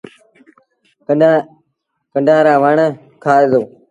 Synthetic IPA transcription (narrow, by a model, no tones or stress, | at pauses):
ə | kəɳɖʱaːɾãːʋaɳə | kʰaːeːzoː